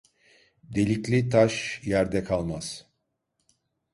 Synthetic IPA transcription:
d̪e̞lʲiclʲit̪ʰaʃjæɾd̪ɛkʰalˠmaz̥

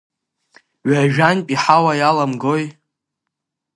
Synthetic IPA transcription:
ɥaʒᶣanpʼiħawajalamɡoj

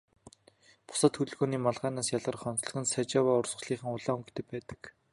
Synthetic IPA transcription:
pʊ̥saːt̪xɵt̪ɵ̆ɮɣoːniːmaɮʁæːnaːsjaɮʁə̆rχɔnt̪ɮ̆ɣɘ̆nsat͡ɕawaːʊrsə̆ɮiːχə̆ŋʊɮaːuŋɡt̪ɘ̆pæːt̪ə̥̆k

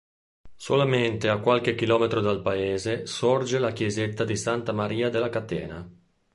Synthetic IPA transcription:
solament̪eakːwalk̟ekːilɔːmet̪ɾod̪alpaeːzesord͡ʒelakjezet̪ːad̪isant̪amaɾiːad̪elːakat̪ɛ̰ːna

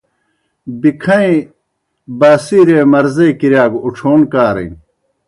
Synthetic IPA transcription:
bikʰɐ̃ĩ | baːsiɾeːmɐɾzɐikiɾjaːɡuʈ͡ʂʰoːnkaːɾɐ̰j

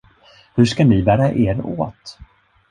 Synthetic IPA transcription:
hɵʂkanɪbæːɾaʔeːɾo̰ːt̪

